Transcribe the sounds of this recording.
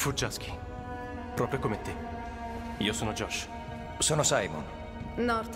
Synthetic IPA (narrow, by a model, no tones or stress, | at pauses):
fud͡ʒask̟i̥ | pɾɔːpɾjokomeat̪ːe | iːosoːnod͡ʒɔʃ | soːnosajmo̰n | nɔɾt̪